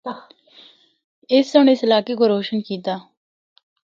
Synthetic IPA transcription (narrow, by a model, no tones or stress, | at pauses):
ɪsːʊnɪsɪlaːkeːkoːɾoːʃənkiːt̪aː